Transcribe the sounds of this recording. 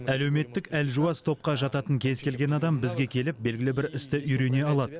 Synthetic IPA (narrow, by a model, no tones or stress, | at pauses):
æle̞wme̞t̪ːɪkælʒuɑst̪ʰo̞p̚qɑʒɑt̪ɑt̪əŋkʲʰe̞zkʲʰe̞lɡʲe̞nɑd̪ɑmbɪzɡʲe̞kʲʰe̞lɪp̚be̞lɡʲɪlɪbɪɾɪst̪ɪʔʏjɾe̞ne̞ɑlˠɑd̪ə